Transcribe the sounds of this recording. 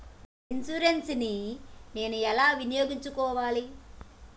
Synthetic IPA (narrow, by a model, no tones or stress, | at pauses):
insuɾensinine̞ːnuɛlaːʋinijo̞ːɡiɲt͡ʃukɔːʋaːli